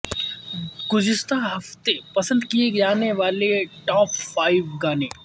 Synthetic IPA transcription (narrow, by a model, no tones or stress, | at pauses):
ɡʊd͡ʒɪst̪aɦɐft̪epɐsə̃nd̪kieɡd͡ʒaːneʋaːleʈɔːpfaːɪʋɡaːneː